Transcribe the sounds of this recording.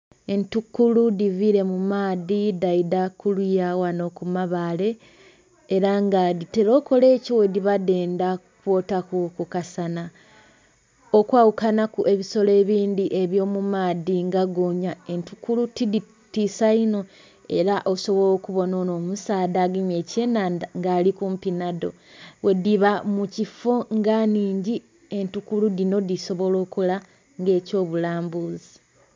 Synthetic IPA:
e̞ntukːuludiviɾe̞mumaːðidaidakulujawano̞kumaβale̞ː | ɾaŋɡadite̞lo̞ːko̞le̞ːcowe̞diβadeːndakukwo̞takukukasana | okwaːwukanakuʔe̞βiso̞le̞ːβiːnd̪iʔe̞βjo̞ːmumaːðiŋɡaɡoːɲae̞ntukulutidi | tiːsaino̞ | e̞̰ɾaʔo̞so̞βo̞loːkuβo̞no̞ːno̞ːmusaːdaɡeɲeːce̞nandaŋɡaːlikuːmpinado̞̰ | we̞diβamucifo̞ŋɡaniːɲɟi | e̞ntukuluðino̞diso̞βo̞lo̞ːkula | ŋɡe̞ːco̞ːβulaːmbuzi

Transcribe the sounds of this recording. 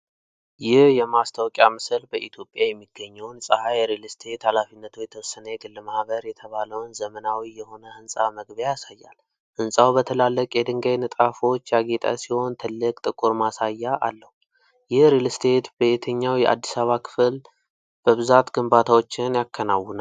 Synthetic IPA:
jɪhjɛmast̪ʰawkʼjamɨslbəʔit̪ʰjo̞pʼjajɛmːiɡːəɲːəwnsʼəhajɛɾilst̪ʰe̞t̪halafinːət̪ʰujɛt̪ʰəwɔsːənəjɛɡɨlːmahβəɾjɛt̪ʰəβaləwnzəmənawijɛho̞nəʔɨnsʼaməɡβəjaasajːa̰l | ʔɨnsʼawbət̪ʰəlalːəkʼjɛd̪ɨŋɡajnɨt̪ʼafo̞t͡ʃːjaɡet̪ʼa̰siho̞nt̪ʰɨlːɨkʼt̪ʼɨkʼuɾmasajːaʔa̰lːəhu | jɪhɾilst̪ʰe̞t̪bəet̪ʰəɲːawjɛʔa̰d̪ːisaβakʰɨ̥fl | b̥əβɨzat̪ɡɨmbat̪ʰawo̞t͡ʃːɪnjakʰːənawːəna

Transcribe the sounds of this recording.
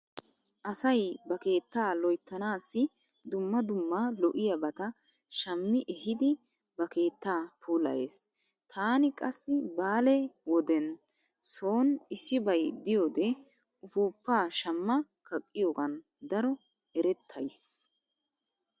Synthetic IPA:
ʔɐsɐjbɐke̞ːt̪ːaːlɔjt̪ːɐnaːsːɪ | d̪ʊmːɐd̪ʊmːaːlɔʔɪjɐbɐt̪ɐ | ʃɐmːɪʔɛɦɪd̪ɪ | bɐke̞ːt̪ːaːpuːlɐ̰je̞̰ːs | t̪ʰaːnɪkʼɐsːɪbaːlɛwɔd̪ɛn | so̞ːnɪsːɪbɐjd̪ɪjoːd̪ɛ | ʊfuːpːaːʃɐmːɐ | kʰɐkʼːɪjoːɡɐn | d̪ɐɾɔ | ɛɾɛt̪ʰːɐjs

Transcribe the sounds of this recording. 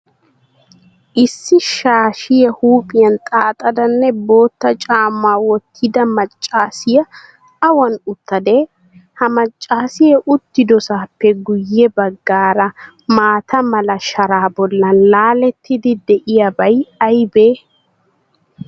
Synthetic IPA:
ʔɪsːɪʃaːʃɪjɛhuːpʼɪjɐnt̪ʼaːt̪ʼɐd̪ɐnːɛbo̞ːt̪ːɐt͡ʃʼaːmːaːwɔt̪ʰːɪd̪ɐmɐt͡ʃʼːaːsɪjɐ | ɐwɐnʊt̪ːɐd̪eː | hɐmɐt͡ʃʼːaːsɪjɛʔʊt̪ːɪd̪ɔsaːpːɛɡʊjːɛbɐɡːaːɾɐ | maːt̪ʰɐmɐlɐʃɐɾaːbɔlːɐnlaːlɛt̪ʰːɪd̪ɪd̪ɛʔɪjɐbɐjɐjbeː

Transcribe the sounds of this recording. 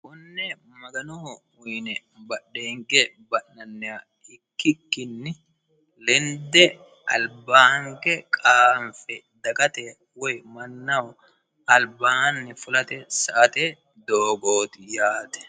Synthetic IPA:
kʊnːɛmɐɡɐnɔhɔ | ʊjnɛ | bɐɗːeːŋɡɛ | bɐʔːɐnːɛwa | ɪkːɪkːɪnːɪ | lɛnd̪ɛ | ɐlbaːhŋɡɛkʼaːmfɛ | d̪ɐkʼɐt̪ɛ | wɔjmɐnːɐw | ɐlbaːnːɪfʊlɐt̪ɛsɐʔɐt̪e | d̪oːɡoːt̪ɪjaːt̪ɛ̥

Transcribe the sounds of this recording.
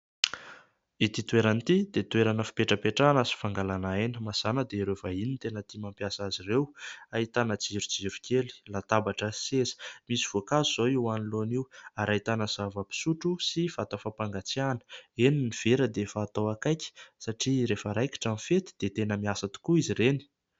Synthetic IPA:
it̪it̪weɾanit̪id̪et̪weɾanəfi̥peʈ͡ʂəpeʈ͡ʂanasi̥faŋɡalanaenəmazanəd̪eɾevainint̪enət̪imampjasazirewait̪anəd͡ziɾud͡ziɾukʰʲeli̥lat̪abaʈ͡ʂəsesə̥misiv̥oakazuz̥oiwaniloniwaɾaɦit̪anəz̥avəpi̥suʈ͡ʂusifat̪afapaŋɡat͡sianə̥eniniv̥eɾəd̪efaːt̪owakajkə̥saʈ͡ʂiɾefəɾajki̥ʈ͡ʂanifet̪i̥d̪̥et̪enəmiasat̪u̥kuiziɾeni̥

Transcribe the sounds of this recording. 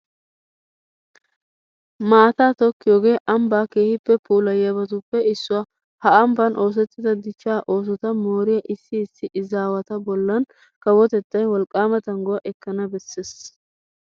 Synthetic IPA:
maːt̪aːt̪ɔkːɪjoːɡe̞ːʔɐmbaːke̞ːhɪpːɛpuːlɐjɐbɐt̪ʊpːɛɪsːʊwa | hɐɐmbɐnʔo̞ːs̬ɛt̪ːɪd̪ɐd̪ɪt͡ʃːaːʔo̞ːs̬ɔt̪ɐmo̞ːɾɪjɐʔɪsːɪːsːɪʔɪzaːwɐt̪ɐbɔlːɐn | kɐwɔt̪ɛt̪ːɐjwɔlkʼaːmɐt̪ɐŋɡɔwɐʔɛkːɐnɐbɛsːes

